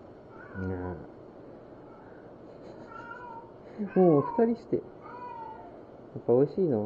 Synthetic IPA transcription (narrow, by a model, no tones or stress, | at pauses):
ɲa | moːɸɯ̟̥t̪aɾʲiɕi̥t̪e̞̰ | japːao̞iɕiːno